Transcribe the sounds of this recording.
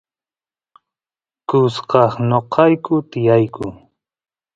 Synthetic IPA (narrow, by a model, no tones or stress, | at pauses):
kʊsqɑχnoqʰɑjkʊt̪ɪjajkʊ